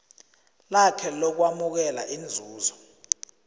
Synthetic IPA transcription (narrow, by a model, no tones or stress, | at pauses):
lakʰɛlɔk̬wamuk̬ɛla̰ʔind͡zʱuːzɔ